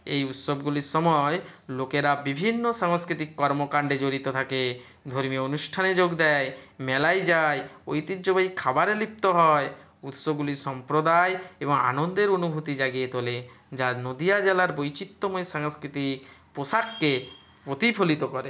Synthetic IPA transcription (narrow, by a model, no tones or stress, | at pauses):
ejut̪sɔbɡuliɾsɔmɔelokeɾabibʱinːosaŋskɾit̪ikːɔɾmokaɳɖed͡ʒoɾit̪ot̪ʰake | d̪ʱoɾmijoonuʃʈʰaned͡ʒoɡd̪ɛjmɛlajd͡ʒajojt̪id͡ʒobaikʰabaɾelip̚t̪oɦɔe | ut̪sɔbɡulisɔmpɾod̪ajebɔŋa̰nond̪eɾonubʱut̪id͡ʒaɡijet̪ole | d͡ʒanod̪iad͡ʒelaɾbojt͡ɕit̪ːomojesaŋskɾit̪ikposakːe | pɾot̪ipʰolit̪okɔɾe